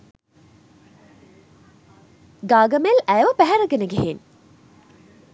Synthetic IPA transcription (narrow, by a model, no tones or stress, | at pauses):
ɡaːɡəmelæjʋəpæɦæɾəɡenəɡeɦen